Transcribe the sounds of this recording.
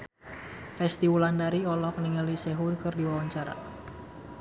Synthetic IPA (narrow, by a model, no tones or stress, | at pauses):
fɛst̪iwulandaɾiɔlɔkəniŋəliseɦʊnkɨrdiwawaɲt͡ʃaɾa̰